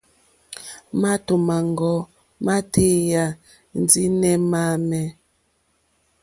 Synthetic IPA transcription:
ma˦to˨ma˨ŋɡɔ˨ | ma˦tʰe˦ja˨ | n˦d͡zi˦nɛ˦ma˦mɛ˦

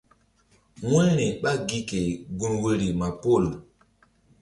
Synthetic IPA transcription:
ŋwɛ˦ni˨ɓa˦ɡi˦ke˨ɡu˦nwe˦ɾi˨ma˨po˦˨l

